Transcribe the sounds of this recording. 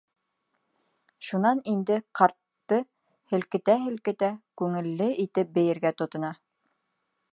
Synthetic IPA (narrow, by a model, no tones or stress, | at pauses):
ʃunɑnind̪ɘqʰɑɾt̪ːɤ | hɘ̆lkɘ̆t̪æɦɘ̆lkɘ̆t̪ækʉŋɘ̆lːɘit̪ɘp̚bɘ̆jɘ̆ɾɡæt̪ŏt̪ŏnɑ